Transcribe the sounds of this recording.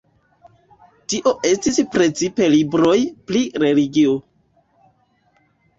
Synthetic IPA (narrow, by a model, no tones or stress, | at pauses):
tiʔo̞ʔe̞stispɾe̞t͡sipe̞libɾo̞jpliɾe̞liɡio